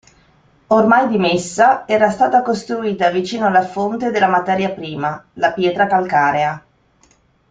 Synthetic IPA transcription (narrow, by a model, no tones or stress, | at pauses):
ormajd̪imesːaɛːɾast̪aːt̪akost̪ɾuiːt̪avit͡ʃiːnoalːafont̪ed̪elamat̪ɛːɾjapɾiːmalapjɛːt̪ɾakalkaːɾea